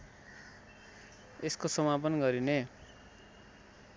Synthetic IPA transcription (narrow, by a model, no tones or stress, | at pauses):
eskosʌmapʌnɡʌɾine